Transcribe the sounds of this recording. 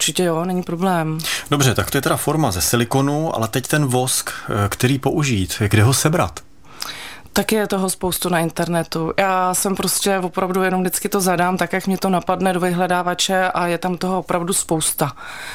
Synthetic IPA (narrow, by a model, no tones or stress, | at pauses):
uɾt͡ʃɪcɛjonɛɲipɾoblɛːmdobr̝ɛt̪akt̪o̞jɛt̪ɛɾafoɾmazɛsɪlɪkonuʔa̰lɛt̪ɛct̪ɛnvo̞skkt̪ɛɾiːpoʔuʒiːt̪ɡdɛɦosɛbɾa̰t̪ | t̪akjɛt̪o̞ɦospowst̪unaɪnt̪ɛɾnɛt̪ujaːsɛmpɾo̞scɛvo̞pɾavdujɛno̞mdɪt͡skɪt̪o̞zadaːmt̪akjakmɲɛt̪o̞napadnɛdovɪɦlɛdaːvat͡ʃɛʔajɛt̪amt̪oɦvopɾavduspo̞wst̪a